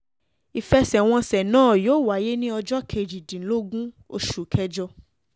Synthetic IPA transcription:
i˨fɛ˧sɛ˨w̃ɔ̃˧sɛ˨nãː˦˨joː˨˦˨wa˨˦je˦nĩ˦ɔ˧d͡ʒɔ˦kʰe˧˨d͡ʒi˨dĩ˨˦lo˦ɡũ˦ | o˧ʃu˨kʰɛ˧d͡ʒɔ˧

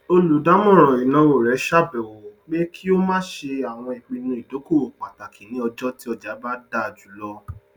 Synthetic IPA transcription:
o˧lu˨˦da˨˦mɔ̃˦˨ɾ̃ã˨i˨nã˨˦wo˨ɾɛ˨˦ʃa˦˨bɛ˨wo˨k͡pe˦kʰi˦o˦mãː˦ʃe˧a˨w̃ɔ̃˧i˨k͡pi˨˧nũ˧˦i˨do˨˦ko˦˨o˨k͡pa˨ta˨kʰĩ˨nĩ˨˦ɔ˧d͡ʒɔ˦ti˦ɔ˧d͡ʒa˨˦ba˦da˦˨d͡ʒu˨˦lɔ˦

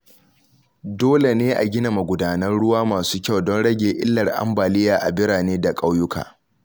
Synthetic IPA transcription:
doː˦le˨neː˦ʔa˨ɡʲɪ˦na˨ma˨ɡʷʊ˨daː˦nɐ˦rɽʊ˦waː˦maː˨suː˦kʲa˦˨wdɔ˦nɽɐ˦ɡʲeː˨ʔɪ˦lːɐ˨rʔa̰˦mbaː˨lɪ˦jaː˨ʔa˨bɪ˦ɽaː˨neː˦da˨kʼa˦wjʊ˦kʰa̰ː˨

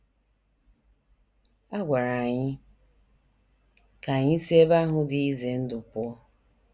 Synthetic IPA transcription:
a˦ɡʷa˨ɾa˨ɲɪ˦ | ka˨ɲɪ˦si˦e˦ba˦ɦʊ˦dɪ˨i˦ze˨n̩˦dʊ˨pʊ˦ɔ˦

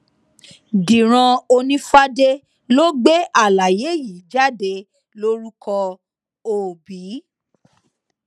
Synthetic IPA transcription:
di˨ɾ̃ã˧o˧nĩ˦fa˦de˦ | lo˦ɡ͡be˦a˦˨la˨je˨˦ji˨d͡ʒa˦˨de˧ | lo˦ɾu˦kɔ˧ | o˨bi˨˦

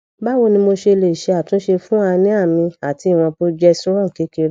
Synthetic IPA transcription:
ba˦wo˧˨nĩ˧mo˧ʃe˧le˨i˨ʃe˧a˨tũ˦ʃe˧fũ˦a˧nĩ˦a˦˨mĩ˧a˨ti˧˦i˦˨w̃ɔ̃˧po˦d͡ʒɛ˦sɔ˦ɾɔ̃˦ŋ̩˨ke˨˦ke˧ɾ

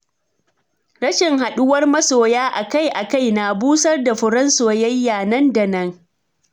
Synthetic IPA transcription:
ɽɐ˦ʃɪ˨ŋɦa˨ɗʊ˦wɐ˦rmɐ˦soː˨jaː˦ʔa˨ka˦˨jʔa˨ka˦˨jna˨buː˦sɐ˦rda˨ɸɪ˨ɽɐ˦nsoː˨jɐ˦jːaː˨nɐ˦nda˨nɐ˦ŋ

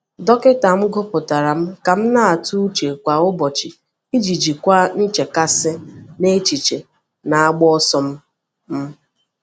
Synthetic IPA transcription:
dɔ˦kɪ˦ta˨m̩˦ɡo˦pʊ˨ta˨ɾa˨m̩˦ka˨m̩˦na˦˨a˨tu˦u˦t͡ʃe˨kʷa˨ʊ˦bɔ˨t͡ʃi˨ | i˦d͡ʒi˨d͡ʒi˨kʷa˦n̩˦t͡ʃe˨ka˦sɪ˦ne˦t͡ʃi˨t͡ʃe˨ | na˨a˦ɡ͡bɔ˦ɔ˦sɔ˦m̩˦ | m̩˦

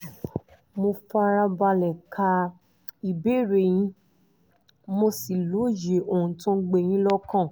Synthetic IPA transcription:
mo˧fa˧ɾa˧ba˧lɛ˨kʰa˧ | i˨be˦˨ɾe˨j̃ĩ˧˦ | mo˧si˨lo˨˦je˨o˨hũ˧˨tũ˦ɡ͡be˧˨j̃ĩ˦lɔ˦kã˦˨

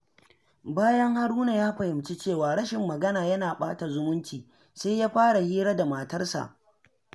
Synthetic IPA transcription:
baː˦jɐ˦ŋha˦ɽuː˦na˨jaː˦ɸɐ˨hɪ˨mt͡ʃi˦t͡ʃeː˦˨waː˨ɽɐ˦ʃɪ˨mːɐ˨ɡɐ˦naː˨jɐ˦naː˨ɓaː˦ta˨zʊ˦mʊ˦nt͡ʃiː˨ | sa˦jaː˦ɸaː˦ɽa˨hiː˦ɾaː˦da˨maː˨tɐ˦rsa̰˨ʔ

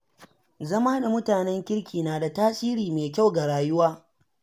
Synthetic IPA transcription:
zɐ˦maː˦da˨mʊ˦taː˨nɛ˦ŋkʲɪ˦ɽkʲiː˨naː˨da˨taː˦sʼiː˦ɾiː˨meː˨kʲa˦˨wɡa˨ɽaː˨jʊ˦waː˦

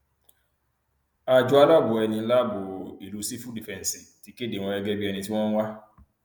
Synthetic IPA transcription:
a˨d͡ʒʊ˦a˦la˦bʊ˨ɛ˨˧nĩ˨˧n̩˦la˦bʊ˨i˨ɾu˨˦si˦fu˦di˨fɛ˨n˨si˨ti˨ke˦de˨ŋʷɔ̃˧ɛ˦ɡe˦bi˦ɛ˧ni˨ti˦wɔ̃˦ŋʷa˦

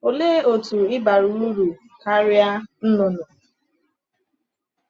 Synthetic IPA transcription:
o˨le˦o˨tu˨ɪ˦ba˨ɾu˨u˦ɾu˨ | ka˦ɾja˦n̩˦no˨no˨

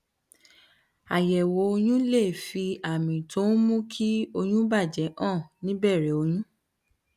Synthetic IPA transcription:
a˨jɛ˨wo˨˧˦o˧j̃ũ˦le˦˨fi˧a˨mĩ˨tʰo˨˦n˦mũ˦kʰi˦o˧j̃ũ˦ba˦˨d͡ʒɛ˨˦ʔãː˦˨nĩ˨˦bɛ˦˨ɾɛ˨˦o˧j̃ũ˦

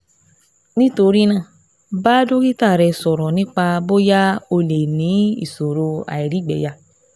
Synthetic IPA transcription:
nĩ˦to˧ɾi˦nã˦˨ | baː˦do˦ki˦ta˦˨ɾɛ˧sɔ˨ɾɔ˨nĩ˦k͡pa˧bo˦ja˦o˧le˨nĩ˨˦ḭ˦˨so˨ɾo˧a̰˨i˨ɾi˨˦˨ɡ͡bɛ̰˨ja˧˨

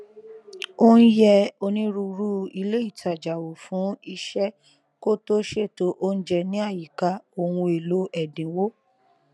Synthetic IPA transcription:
o˦n̩˦jɛ˧o˧nĩ˦ɾu˧ɾu˦i˧le˦i˦˨ta˨d͡ʒa˨wo˨fũ˨˦i˧ʃɛ˦ | ko˦to˦ʃe˦˨to˨˦ʔo˦n̩˦d͡ʒɛ˧nĩ˦a˦˨ji˨ka˨˦o˧hũ˧e˨lo˨˦ʔɛ˨dĩ˨wo˦

